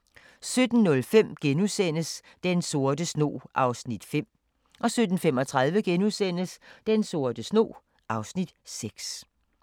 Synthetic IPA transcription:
sød̥n̩ːɔ̽lfem̰ɡ̥enusen̰əs | d̥enso̝ɐd̥əsno̝̰ːʔɑ̈ʊsnid̥fem̰ | ʔɒ̽sød̥n̩femɒ̽t͡sʰʁɑð̞ˠʋəɡ̥enuðˠsen̰əsd̥enso̝ɐd̥əsno̝̰ː | ɑ̈ʊsnid̥seɡ̥s

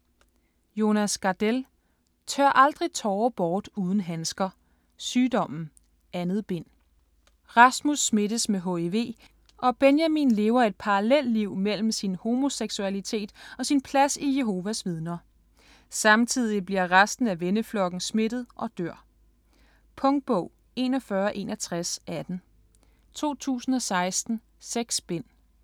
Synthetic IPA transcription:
jo̝næsɡ̥ɑd̥el | t͡sʰɶɐʔɑ̈ld̥ʁit͡sʰɒːb̥ɒːd̥uːð̞ˠn̩ɦænsɡ̥ɐ | syːdɒ̽m̰n̩ | ʔænð̞̩ˠb̥e̝n̰ | ʁɑ̈smusːme̝dəsmeɦoeʋe̝̰ː | ʔɒ̽b̥enjæminle̝ːʊɐe̝d̥̚pʰɑ̈ʁɑlel̰dliʊ̰mel̰m̩sinho̝mo̝seɡ̥suælit͡sʰe̝̰ːd̥ɒ̽sinpʰlæsije̝ɦo̝ːʋæsʋið̞ˠnɐ | sɑ̈mt͡sʰið̞̰ˠib̥liɐ̰ʁasd̥n̩æʋenəflɒ̽ɡ̥n̩sme̝d̥ð̞̩ˠʔɒ̽d̥øɐ̰ | pʰɔ̽ŋd̥̚b̥ɔʊ̰ | e̝̰ːnɒ̽fɶːɐʔe̝̰ːnɐt͡sʰʁasæd̥n̩ | t͡sʰo̝̰ːt͡sʰṵːsn̩ɒ̽sɑ̈ɪsd̥n̩ | seɡ̥sb̥en̰

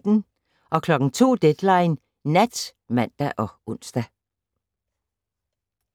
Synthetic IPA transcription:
d̥n̩ | ʔɒ̽kʰlɒ̽ɡ̥ŋ̩t͡sʰo̝̰ːd̥ed̥lɑ̈ɪn | næd̥mæn̰d̥æʔɒ̽ʔɔn̰sd̥æ

